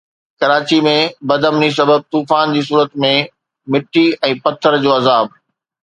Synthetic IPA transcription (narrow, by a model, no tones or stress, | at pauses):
kɐɾaːt͡ɕimẽbɐd̪ʱəmnis̬ɐbəb̚t̪uːfaːnd͡ʑiːs̬uːɾət̪mẽ | mɪʈʰːiɛ̃ːpɐt̪ʰːəɾd͡ʑoːɐzaːb